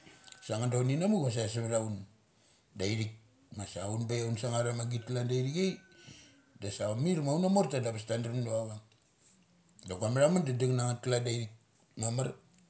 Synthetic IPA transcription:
saŋandawninamukmas̬as̬aβeɾawn | dajɾik̚ | masaunbajawnsaŋaɾamaɡit̚klandajɾikej | dasamiɾmawnamoɾtadabastandɾmdoaβaŋ | daɡuameɾamandadaŋnaŋat̚kladajɾik̚ | mamaɾ

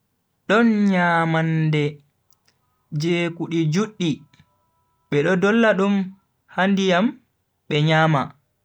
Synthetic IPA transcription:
ɗɔnɲaːmandɛ | d͡ʒeːkuɗid͡ʒuɗːi | ɓɛɗɔdɔlːaɗum | handijam | ɓɛɲaːma

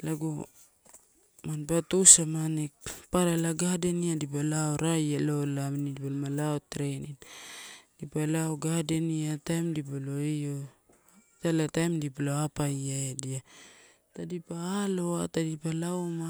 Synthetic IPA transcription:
laɡo | manpatusamanek̚paɾalaɡadeniadip̬alaoɾajalolamnidipalomalaotɾenin | dipalaoɡadeniatajmdip̬aloio | talatajmdipaloapajaedia | tadipaːlo̞atadipalaoma

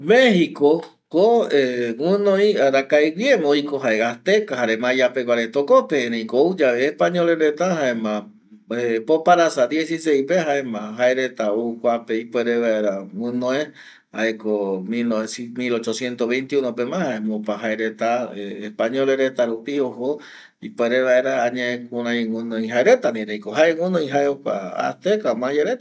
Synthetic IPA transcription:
mehiko | koewũnõĩaɾakajwjemoikoɦaeɣaht̪ekaɦaɾemãjapekaɾet̪okopeɾẽĩkoud͡ʒaeːhpaɲoleɾet̪aɦaẽmã | epopaɾasad̪jesisejpehaemãɦaeɾet̪aukʷapeipeɾeβeaɾawɨnõẽ | aekomiosmilot͡ʃosjent̪oβejnt̪iunopemãhaemopaɦaeɾet̪aeehpaɲõleɾet̪aɾupioho | ipoeɾeβaeɾaːɲẽẽkuɾãj̃unõĩɦaeɾet̪anĩɾejkoɦaeŋũnõĩɦaeokʷa̰a̰st̪ekamãjeɾet̪a

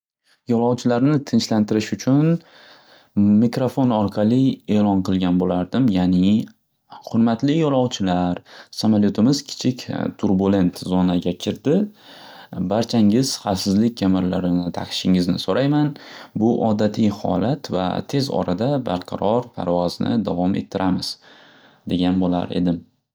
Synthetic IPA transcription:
jɒlˠɒwt͡ʃʰɪlaɾnɪt̪ʰɪnt͡ʃlant̪ɪɾɪʃʊt͡ʃʰʊn | mɪkɾofo̞nɒɾqʰɑlˠɪe̞ːlɒnqʰɨlˠɡʲanbolaɾd̪ɪmjanɪ | hʊɾmat̪lɪjɒlˠɒwt͡ʃʰɪlaɾsamaljot̪ʰɪmɪz̥kʲʰɪ̥t͡ʃʰɪkʲt̪ʰːuɾbule̞nt̪zɒnaɡʲakʲʰɪɾd̪ɪ | baɾt͡ʃʰaŋɪz̥χafsɪzlɪk̚ʲkʰʲːamɪɾlaɾɪnɪt̪ʰaqʰɪ̥ʃɪŋɪznɪsoɾajmanbʊʔɒd̪at̪ʰijhɒ̰lat̪va̰t̪ʰe̞zɒ̰ɾʔad̪abaɾqʰɑ̰ɾɒɾpʰa̰ɾvɒznɪ̰d̪avɒmḛt̪ʰːɪɾʔamɪz̥ | d̪e̞ɡʲanbola̰ɾe̞̰d̪ɪm

